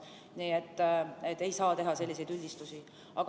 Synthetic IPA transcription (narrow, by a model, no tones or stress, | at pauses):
niːet̪ːet̪ːe̞jsɑːt̪e̞ɦɑse̞lʲːise̞jd̪ylʲːist̪usi | ɑɡ